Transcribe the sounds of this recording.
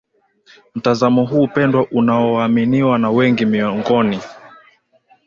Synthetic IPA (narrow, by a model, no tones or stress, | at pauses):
m̩tazamɔɦuːpɛndwaʔunaɔwaːminiwanawɛŋɡimiɔŋɡɔni